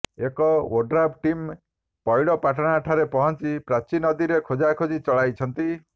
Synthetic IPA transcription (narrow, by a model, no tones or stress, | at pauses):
ekɔwoɖɾabʈim | pɔjɭɔpaʈɔɽ̃aʈʰaɾepɔɦɔnt͡ʃipɾat͡ʃinɔd̪iɾekʰod͡ʒakʰod͡ʒit͡ʃɔɭajt͡ʃʰɔnt̪i